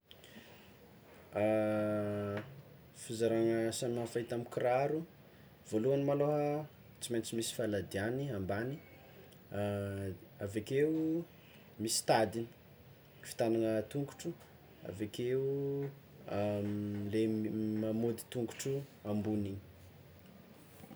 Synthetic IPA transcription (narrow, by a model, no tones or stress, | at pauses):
a | fizaɾaŋəsammafait̪amikiɾaɾu | v̥oluanimaloɦə | t͡simajnt͡simisi̥falad̪ianiambani | avekeu | misi̥t̪ad̪ini̥ | fi̥t̪anaŋət̪uŋku̥ʈ͡ʂu | a̰vekeu | lemamod̪i̥t̪uŋku̥ʈ͡ʂuambuniɲ